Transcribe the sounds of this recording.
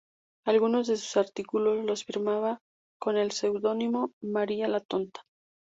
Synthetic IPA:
alɣuno̞zðe̞su̥saɾt̪ikulo̞zlo̞sfiɾmaβa | ko̞ne̞lse̞wðo̞nimo̞maɾialat̪o̞nt̪ḁ

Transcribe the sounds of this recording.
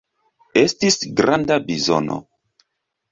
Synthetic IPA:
e̞stisɡɾandabizo̰no̰

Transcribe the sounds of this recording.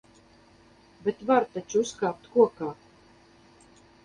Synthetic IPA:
bʲet̪vaɾt̪at͡ʃuskaːp̚t̪kuɔkaː

